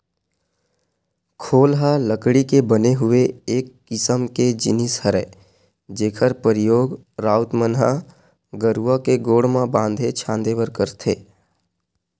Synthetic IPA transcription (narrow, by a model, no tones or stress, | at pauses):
kʰoːlɦaləkɽikebəneɦʊeeːkːɪsəmked͡ʒɪnɪshəɾɛː | d͡ʒeːkʰəɾpəɾɪjoːɡ | ɾaːʊt̪mənɦa | ɡəɾuakeɡoːɽmãbãːnd̪ʱet͡ʃʰãːnd̪eʋəɾkəɾt̪ʰeː